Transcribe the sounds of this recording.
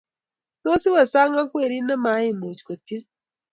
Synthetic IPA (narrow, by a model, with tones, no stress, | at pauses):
to˦si˦wɛ˨sa˦ŋa˦kwe˦˨ɾi˦nɛ˦ma˨˦ɪ˦˨mo˨t͡ʃko˨ti˦